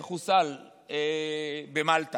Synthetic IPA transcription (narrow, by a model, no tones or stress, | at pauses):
χusal | ebemalt̪a